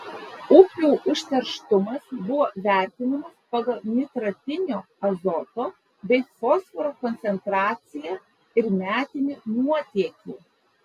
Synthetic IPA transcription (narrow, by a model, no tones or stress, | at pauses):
ʊpʲuʊʔʊʃʲt̪ʲɛɾʃt̪ʊmɐsbʊʋoːʋʲæˑɾʲt̪ʲɪnɐmɐspɐɡɐlˠmʲɪt̪ɾɐt̪ʲɪnʲoː | ɐzɔt̪oː | bʲɛɪfɔsfɔɾoːkɔnʲt̪sʲɛnt̪ɾɑːt̪sʲɪjæ | ɪɾmʲæːt̪ʲɪnʲinuɔt̪ʲiɛkʲiːˑ